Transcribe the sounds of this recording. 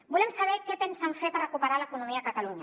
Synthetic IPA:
bulɛmsaβɛket̪ensamfepaɾakupaɾalakunumiakat̪aluɲa

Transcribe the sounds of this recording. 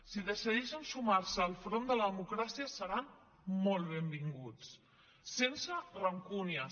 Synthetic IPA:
siðəsiðɛʃənsumaɾsəːlˠfɾond̪ələðəmukɾasiəsəɾam | molˠβembiŋɡut͡s | sensərəŋkuniə

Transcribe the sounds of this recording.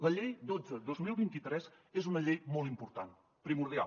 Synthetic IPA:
ləʎejd̪od͡zəd̪ozmilˠβint̪it̪ɾɛz | ezunəʎejmɔlˠt̪impuɾt̪an | pɾimuɾð̞ia̰l

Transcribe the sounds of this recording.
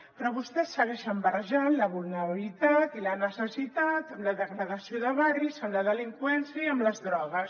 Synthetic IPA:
pɾɔβust̪ɛsːəɣɛʃəmbərəʒanləβulˠnəɾəβilit̪at̪ilənəsəsit̪at̪əmləðəɣɾəðəsioðəβarizəmləðəliŋkwɛnsjəiəmləzðɾɔɣ̞əs

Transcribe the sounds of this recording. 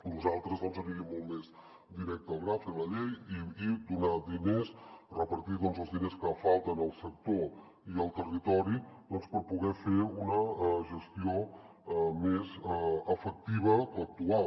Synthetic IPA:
nuzalˠt̪ɾəzðɔnzəɾiɣimːɔlˠmez | d̪iɾɛk̚t̪əəlˠɣɾafeləʎejiid̪unad̪inesrəpəɾt̪iðɔnzəlˠzðineskəfalˠt̪ənəlˠsək̚t̪o | iəlˠt̪ərit̪ɔɾid̪ɔnspəɾpuɣɛfeɾunəʒəst̪io | mezəəfək̚t̪iβ̞əək̚t̪ua

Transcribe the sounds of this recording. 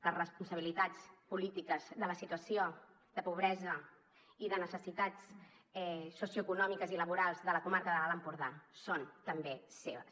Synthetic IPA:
ləzrəspunsəβilit̪at͡spulit̪ikəzðələsit̪uəsio | ðəpuβ̞ɾɛzə | iðənəsəsit̪at͡s | ɛsːusjuəkunɔmikəziləβ̞uɾalˠzðələkumaɾkəðəβaləmpuɾðasont̪əmbeseβəs

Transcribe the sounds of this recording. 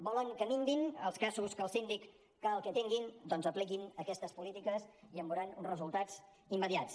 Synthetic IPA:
bɔləŋkəmiŋbinəlˠskazuskəːlˠsind̪ikː | əəlˠkɛt̪iŋɡind̪ɔnzəplikinəkɛst̪əspulit̪ikəsiəmbuɾanunzrəzulˠt̪ad͡z | imːəðiat͡s

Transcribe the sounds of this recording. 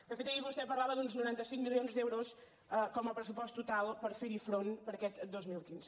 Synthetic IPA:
d̪ɐfet̪ɐiɣuust̪ɛpɐɾlˠaβɐðũnznuɾɛ̃nt̪ɐsĩŋkmilˠjõnzðewɾos | ɛkɔmɐpɾəs̬upɔst̪ut̪ːut̪alˠpɐɾfeɾifɾonpɐɾɐkɛt̪d̪ozmilˠikĩnz

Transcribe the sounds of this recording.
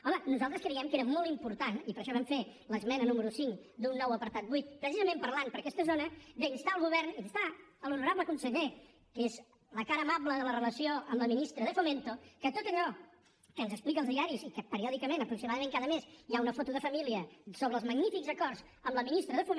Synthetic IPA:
ɔmənuzalˠt̪ɾəskɾəjɛmkeɾəmɔlˠt̪impuɾt̪anipəɾʃɔβɛmfeləzmɛnənuməɾusiŋkd̪unːɔwəpəɾt̪at̪̚bujt̪̚pɾəsizəmẽmpəɾlanpəɾkɛst̪əzonəbenst̪aəlˠɣuβɛrninst̪aəlunuɾaβləkunsəʎɛ | kez | ləkaɾəːmaβləðələrələsioʔəmləminist̪ɾəðəfument̪okət̪ot̪əʎɔ | kənzəksplikəlˠzðiaɾisikəpəɾiɔðikəmẽnəpɾuksimaðəmẽŋkaðəmesjaunəfot̪uðəfəmiliəsoβɾəlˠzməɡnifikzəkɔrs | əmləminist̪ɾəðəfum

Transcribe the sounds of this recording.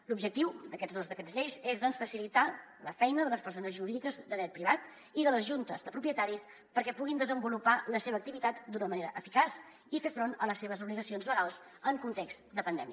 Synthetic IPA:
lubʒək̚t̪iwd̪əkɛd͡zðozðəkənzʎejzezðɔnsfəsilit̪a | ləfɛjnəðələspəɾsonəzʒuɾiðikəzd̪əðɾɛt̪̚pɾiβ̞at̪ | iðələzʒunt̪əzðəpɾupjət̪aɾis | pəɾkɛpuɣind̪əzəmbulupaləseβ̞ək̚t̪iβit̪at̪d̪unəməneɾəʔəfikas | ifefɾonə̰ləsːeβ̞əzuβliɣəsionzləɣalˠzəŋkunt̪ekst̪d̪əpənd̪ɛmiə

